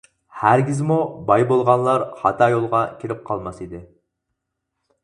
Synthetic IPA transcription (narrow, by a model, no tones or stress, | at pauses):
hæɾɡʲizmubɑjbolˠʁɑnlˠɑɾhɑ̰t̪ʰɑːjolˠʁɑkʲʰiɾɪp̚qʰɑlˠmɑsid̪ɪ